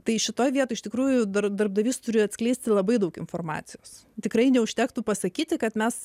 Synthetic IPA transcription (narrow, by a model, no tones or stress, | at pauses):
t̪ɐɪʃʲɪt̪oːjʋʲiɛt̪oːɪʃʲt̪ʲɪkɾuːjʊd̪ɐɾd̪ɐɾbd̪ɐʋʲist̪ʊɾʲɪjɐt̪ʲsʲklʲɛɪsʲt̪ʲɪlˠɐbɐɪd̪ɐʊkɪnfoːrmɑ̰ːt̪sʲɪjoːs | t̪ʲɪkɾɐɪnʲɛʊʃʲt̪ʲɛːkt̪upɐsɐkʲiːt̪ʲɪkɐt̪mʲɛs